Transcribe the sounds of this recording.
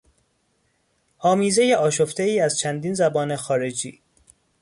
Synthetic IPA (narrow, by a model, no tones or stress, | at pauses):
hɒːmiːze̞jeʔɒːʃo̞ft̪eiːæzt͡ʃʰænd̪iːnzæbɒːne̞xɒːɾe̞d͡ʒḭː